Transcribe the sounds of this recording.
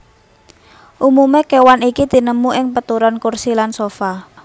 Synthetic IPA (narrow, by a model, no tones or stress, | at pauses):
ʔumumekewanikid̪̥i̤nəmuʔɪŋpət̪uɾɔnkursilansofa